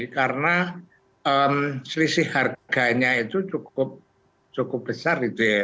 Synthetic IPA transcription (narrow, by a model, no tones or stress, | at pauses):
kaɾəna | əmslisɪhharɡ̥a̤ɲait̪ut͡ʃukʊp̚ | t͡ʃukʊp̚b̥əsarit̪e